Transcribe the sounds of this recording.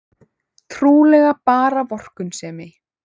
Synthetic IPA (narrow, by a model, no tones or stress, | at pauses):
t̪ʰɾuːlɛɣapaːɾavɔr̥kʏnsɛːmɪ